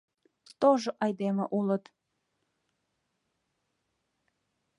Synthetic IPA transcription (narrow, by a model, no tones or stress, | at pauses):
t̪oʒoʔɑjd̪emə̰ʔulə̆t̪